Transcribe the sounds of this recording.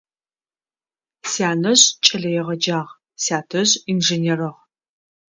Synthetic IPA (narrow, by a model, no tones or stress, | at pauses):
saːnɐʑt͡ʃʼɐɮɐjɛʁɐd͡ʒaːʁ | saːtʰɐʑʼinʒeneːrɐʁ